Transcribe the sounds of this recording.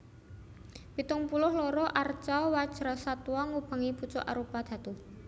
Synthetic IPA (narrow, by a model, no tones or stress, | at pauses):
pit̪ʊŋpulʊhlɔɾɔʔart͡ʃawḁʒ̥ɾasat̪uɔŋub̥a̤ŋiput͡ʃʊʔa̰ɾupad̪̥a̤t̪u